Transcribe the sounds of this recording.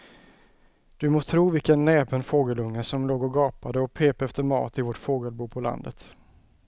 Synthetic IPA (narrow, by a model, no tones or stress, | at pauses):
d̪̥ɵmoːt̪ʰɾuːvɪlkənːɛːpənfoːɡəlɵŋːəsɔmloːɡɔɡɑːpad̪əɔpʰeːpɛft̪əmɑ̰ːt̪ɪvɔʈfoːɡəlbuːpʰɔla̰nd̪ə̰t̪